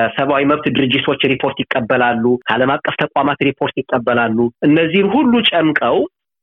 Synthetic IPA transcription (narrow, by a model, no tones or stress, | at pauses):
səβawiməβt̪d̪ɨɾɨd͡ʒɪt̪ʰo̞t͡ʃːɾipʰo̞ɾt̪jɪkʼːəbːəlalːuʔaləmakʼːəft̪ʰəkʷʼwamat̪ɾipʰo̞ɾt̪jɪkʼːəbːəlalːuʔɨnːəzːihɨmhulːut͡ʃʼəmkʼəw